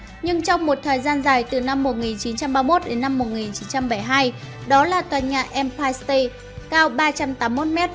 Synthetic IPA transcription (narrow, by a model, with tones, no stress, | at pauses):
ɲɨ˧ŋt͡ɕɔ˧wŋ͡mmo˨˩t̚t̪ʰəː˨˩jzaː˧nzaː˨˩jt̪ɨ˨˩na˧mːo˨˩t̚ŋi˨˩nt͡ɕi˨˦nt͡ɕa˧mɓaː˧mo˦˥t̚ɗe˨˦nːa˧mːo˨˩t̚ŋi˨˩nt͡ɕi˨˦nt͡ɕa˧mɓə˧˩jɦaː˧j | ɗɔ˨˦laː˨˩t̪waː˨˩nɲa̰ː˧˩ʔɛ˧mpaː˧jst̪ə˧ | kaː˧wɓaː˧t͡ɕa˧mt̪aː˨˦mːmo˦˥t̚mɛ˦˥t̚